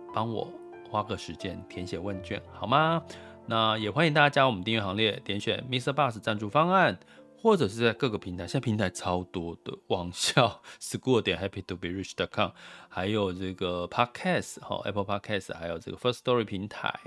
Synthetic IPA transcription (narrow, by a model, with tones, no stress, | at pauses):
pɑ˥ŋwɔ̰˨˩˦ | xwa˥kə˥˩ʂɻ̩˧˥t͡ɕjɛ˦˥nt̪ʰjɛ˧˥nɕjɛ˨˩wə˥˧nt͡ɕɛ̰˥˩nxɑ˨˩ʊma˦na˥˨jɛ˨˩xwa˥nĩ˧ŋt̪a˥˩t͡ɕa˥t͡ɕja˥wmə˦nt̪i˥˧ŋɥɛ˥˩xɑ˧˥ŋljɛ˥˩t̪jɛ˧˥nɕɥɛ̰˨˩nmi˥sə˥˧pa˥˧s̩˨˩t͡sa˥˧nʈ͡ʂu˥˧fɑ˥ŋa˥˨n | xwɔ˥˩ʈ͡ʂɤ˨˩ʂ̬ɻ̩˥˧t͡sa˥˧ɪkɤ˥˩ɡə˨˩pʰi˧˥ŋt̪ʰa˧˥ɪɕa˥˩pʰi˧˥ŋt̪ʰa˧˥ɪt͡sʰɑ˥ʊt̪wɔ˥d̪̥ə˨wɑ˨˩ŋɕjɑ˥˨ʊsɹ̩˧˩ku˥˧t̪jɛ˨˩nxɛ˥pʰi˨˩t̪ʰu˨˩pi˨˥ɹi˥˩t͡ʃt̪ɑ˨˩ʊkʰɑ˥˩mxa˧˦ɪjo˨˩ʊʈ͡ʂɤ˥˩ɡə˩pʰɑ˥kʰɛ˥˩sxɔ̰˧˩ʔɛ̰˥pʰə˥pʰɑ˥kʰɛ˥sha˧˥ɪjo˨˩ʊʈ͡ʂə̰˥˩ɡə˩fə˥sst̪ɔ˧˥ɹi˥˩pʰi˧˥ŋt̪ʰa̰˧˦ɪ